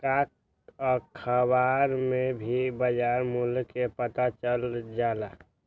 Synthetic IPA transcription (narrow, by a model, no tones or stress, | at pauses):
kak̚ | ɔɾkʰəbaɾmẽbʱibəd͡ʒaːɾmulkepət̪at͡ʃəld͡ʒaːla